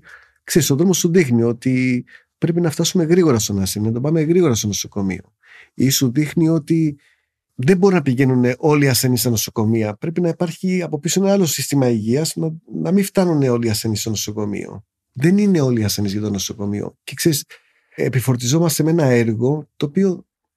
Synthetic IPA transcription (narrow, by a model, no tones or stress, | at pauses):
kse̞ɾiso̞ðɾomo̞suðixnio̞t̪i | pɾe̞pinɐft̪ɐsume̞ɣɾiɣo̞ɾɐst̪onɐseninɐt̪o̞pɐmeɣɾiɣoɾɐst̪onoso̞ko̞mḭo̞̰ | isuðixnio̞t̪i | ðembo̞ɾinɐpiʝe̞nune̞ʔo̞liɐse̞nist̪ɐno̞so̞ko̞miɐpɾe̞pinɐipɐɾçiɐpopisoe̞nɐɐlo̞sist̪imɐiʝiɐznnɐmift̪ɐnune̞o̞liɐse̞nist̪o̞no̞so̞ko̞mḭo̞̰ | ðe̞nine̞o̞liɐse̞nizʝɐt̪o̞no̞so̞ko̞mḭo̞̰cekse̞ɾis | ḛpifo̞ɾt̪̬izo̞mɐst̪e̞me̞nɐe̞ɾɣo̞t̪o̞ːpio̞